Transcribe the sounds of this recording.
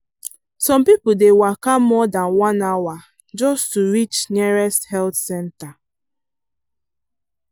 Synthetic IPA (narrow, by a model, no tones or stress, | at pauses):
sɔ̃mpipl̩dewakamɔdanwãnawa | d͡ʒɔstuɾit͡ʃniɹɛsthɛltsɛ̃nta